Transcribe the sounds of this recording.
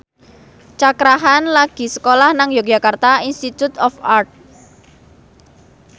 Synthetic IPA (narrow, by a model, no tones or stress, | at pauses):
t͡ʃakɾaɦanlaɡ̥i̤sə̥kolahnaŋjo̥d͡ʒ̥a̤kart̪ainst̪it̪ut̪ɔfart̪̚